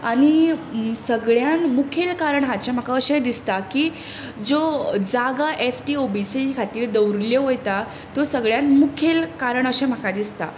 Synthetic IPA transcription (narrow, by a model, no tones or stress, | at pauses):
aɽ̃isəɡɭjanmukʰelkaɾəɳɦat͡ɕẽm̤əkaəɕẽd̪ist̪akiː | d͡zod͡zaɡaʔesʈiːobisikʰat̪iːɾd̪əwɾljeʋojt̪a | t̪osəɡɭjanmukʰelkaɾəɳəɕẽm̤əkad̪ist̪a̰